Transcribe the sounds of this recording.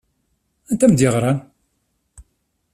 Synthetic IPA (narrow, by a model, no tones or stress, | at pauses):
ænt̪æmd̪jəʁɾˤan